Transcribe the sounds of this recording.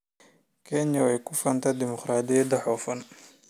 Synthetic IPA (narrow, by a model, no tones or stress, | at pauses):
kʰɛɲɐwɛjkʰʊfɐnt̪ʰɐd̪ɪmɔqɾaːd̪ɪjɐd̪ɐħɔːfɐn